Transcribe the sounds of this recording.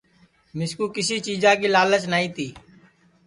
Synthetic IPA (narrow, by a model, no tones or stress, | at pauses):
mɪskuːkɪsiːt͡ʃiːzãːk̬iːlaːlət͡ʃnaːĩːt̪iː